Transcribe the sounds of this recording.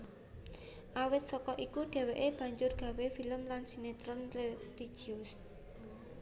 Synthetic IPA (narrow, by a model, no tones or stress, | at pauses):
ʔawɪt̪̚sɔkɔʔikuɖ̥ɛ̤weʔeb̥ä̤ɲd͡ʒʊrɡ̥ä̤wefiləmlansinet̪ɾɔnlet̪i̥d͡ʒ̥iʊs